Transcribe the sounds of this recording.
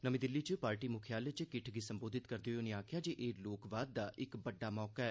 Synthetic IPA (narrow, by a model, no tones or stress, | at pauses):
nəmĩːd̪ɪlːit͡ʃpaːɾʈiːmʊkʰjaːlet͡ʃkɪʈʰɡisə̃mboːd̪ʱɪt̪kəɾd̪eooneaːkʰɪjaːd͡ʒeːʔeːloːkʋaːd̪̚ːaːʔɪkbəɖːaːmɔːkaɛː